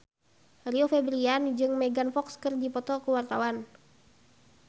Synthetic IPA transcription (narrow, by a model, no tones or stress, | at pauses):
riɔfɛbɾiand͡ʒɨŋmɛɡanfɔkskɨrdipɔt̪ɔkuwart̪awan